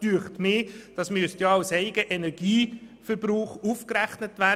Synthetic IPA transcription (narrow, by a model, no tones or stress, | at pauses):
dyːəχtmɪːd̥ɑsmyəstjɑɑsɛɪɡ̥əʔɛnɛɾɡ̥iːfəɾbɾuːχufkræχnətʋæ